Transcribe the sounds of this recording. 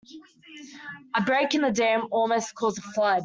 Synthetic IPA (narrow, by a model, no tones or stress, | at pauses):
əbɹeɪkɪ̃nðədɛ̃ːmɔːlˠməʊskʰɔːzəflʌd̥